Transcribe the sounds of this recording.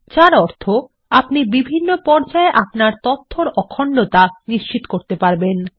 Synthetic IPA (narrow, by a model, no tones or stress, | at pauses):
t͡ɕaɾɔɾt̪ʰo | apnibibʱinːopɔɾd͡ʑaeʔapnaɾt̪ot̪ʰːoɾɔkʰoɳɖot̪aniʃt͡ɕit̪okoɾt̪epaɾben